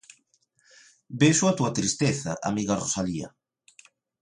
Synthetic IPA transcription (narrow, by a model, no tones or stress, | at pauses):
beʃuat̪uɐt̪ɾist̪eθɐʔa̰miɣɐrosaliɐ̰